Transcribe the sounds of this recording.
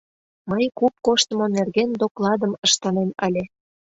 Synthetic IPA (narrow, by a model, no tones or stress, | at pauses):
məjkup̚koʃt̪ə̆monerɣend̪oklˠɑd̪ə̆mə̆ʃt̪ɑnemɑlʲe